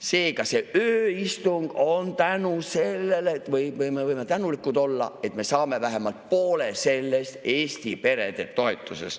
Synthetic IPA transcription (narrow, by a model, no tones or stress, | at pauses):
se̞ːkɑse̞ʔøːist̪uŋɡ̥o̞nt̪ænuse̞lːelet̪vɯjɯjmevɯjmet̪ænulikːˑud̪o̞lːɑ̰e̞t̪me̞sɑːme̞væɦemɑlt̪̚po̞ːlese̞lːe̞st̪eːsʲt̪ipe̞ɾe̞d̪̥e̞̰t̪ːo̞et̪ːˑusḛs